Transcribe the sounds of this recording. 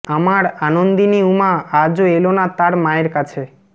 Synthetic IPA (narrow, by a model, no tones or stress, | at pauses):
amaɾanond̪iniumaad͡ʑoelonat̪aɾmaeɾkat͡ɕʰe